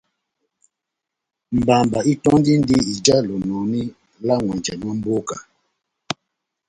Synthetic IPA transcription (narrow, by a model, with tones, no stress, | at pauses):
m̩˨ba˨mba˨i˦tɔ˦ndi˦n̩˦di˦i˨d͡ʒa˦lɔ˨nɔ˨ni˦ | la˦ŋwɛ˨nd͡ʒɛ˨nwa˦m̩˦bo˦ka˨